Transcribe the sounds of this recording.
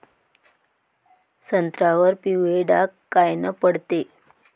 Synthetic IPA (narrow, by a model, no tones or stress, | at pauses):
sənt̪ɾaʋəɾpiʋeɖa̰kːajnəpəɽt̪e